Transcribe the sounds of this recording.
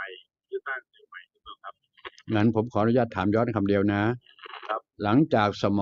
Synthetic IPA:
a˧˩˧ma˧˩j̚ | ŋa˦˥˩npʰo˩˦mkʰɔː˦˥˧nu˧˥jaː˧˩t̪ʰːaː˨˩˦mjɔː˦˥nkʰa˧mdi˧əwna˦˥˦ | la˩˦ŋt͡ɕaː˨˩k̚sa˧mɔː˨

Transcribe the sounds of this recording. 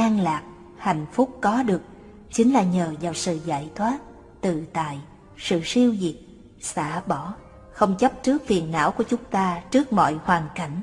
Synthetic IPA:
ʔaː˧ŋlaː˨˩k̚ | ha˧˩˨jŋ̟fʊ˦˥k͡p̚kɔ˨˦ɗɨ˨˩ək̚ | t͡ɕï˨˦ŋ̟laː˨˩ɲəː˨˩zaː˨˩wsɨ̰˧˨za̰ː˧˥jt̪ʰwaː˦˥t̚ | t̪ɨ˧˨˩t̪a̰ː˧˨j | sɨ̰˧˨si˧əwzi˨˩t̚ | sa̰ː˧˥ɓɔ˧˩ | xə˧wŋ͡mt͡ɕə˦˥p̚t͡ɕɨ˦˥ək̚fi˨˩ənːa̰ː˧˥wku˧˩ət͡ɕʊ˨˦ŋ͡mt̪aː˧t͡ɕɨ˦˥ək̚mɔ̰˧˨jhwaː˨˩ŋka˧˩jŋ̟

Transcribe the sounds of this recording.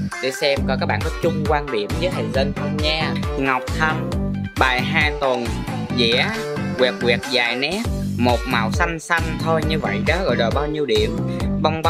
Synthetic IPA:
ɗ̪ḭ˧˩sɛ˧mkɔ˧˩kaː˦˥k̚ɓa̰ː˧˨˩ə˦˥t͡ɕʊ˧ŋ͡mkwaː˧nɗi˨˩əmzəː˨˦jhə̰˨˩zə˧nkʰa˨˧˩mɲaː˧ŋa˨˩wk͡p̚t̪ʰa˧mɓaː˨˩jɦaː˧jt̪ə˨˩n | zɛ̰˧˥ | kwɛ˨˩k̚kwi˨˩ək̚zaː˨˩jnɛ˦˥p̚mo˨˩t̚maː˨˩wsa˧jŋ̟sa˧ŋt̪ʰo˧jɲɨ˧və̰˧˨jɗɔ˨˦ɣɔ̰˧˨jzɔː˨˩ɓaː˧wɲi˧əwɗi˧˩˨əmɓa˧wŋ͡mɓ

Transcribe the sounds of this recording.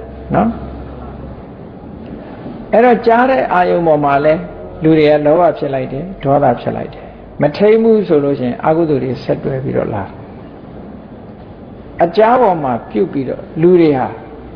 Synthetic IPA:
nɔ˦ | ʔɛ˦˨ɾɔ˨t͡ɕa˦ɾɛ̰˦˨ʔa˦jõ˨ʊ̃mbɔ˨m̥a˨lɛ˦ | lu˨ɾe˨ɡa̰˦˨lɔ˦wa˦˨pʰjɪ˦ʔla˦ɪtɛ˨dɔ˨˦d̪a˨pʰjɪ̰˦ʔla̰˦ɪtɛ̥˨ | mətʰẽ˦ɪ̃mu˦˨so˨lo̰˦˨ʃɪ̃˨ɪ̃˨ʔa̰˦kṵ˦˨d̪u˨ɾe˨sɛ˦tːwɛ˦pḭ˦ɾɔ̰˦˨la˨ | ʔət͡ɕa˦bɔ˨m̥a˨pjṵ˦˨pːi˦ɾɔ̰˦˨lu˨ɾe˨ɦa˨

